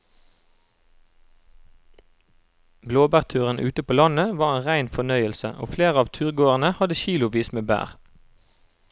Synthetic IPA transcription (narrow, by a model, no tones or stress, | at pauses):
bloːbæːʁt̪ʰʉːʁənʔʉːt̪əpʰoːlɑnəʋɑːʁeːnʁæɪnfɔnœʏəlsə̰ʔo̰ːfleːʁəɑːʋt̪ʰʉːʁɡoːʁənəhɑd̪əçiːlʊʋiːsmeːbæ̰ːʁ